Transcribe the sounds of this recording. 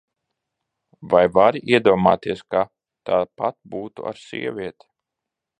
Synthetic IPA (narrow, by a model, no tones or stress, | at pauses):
vajvaɾiʔiɛd̪uɔma̰ːt̪iɛska | t̪aːd̪pat̪̚buːt̪ṵʔa̰ɾsʲḭɛvʲiɛt̪ʲi̥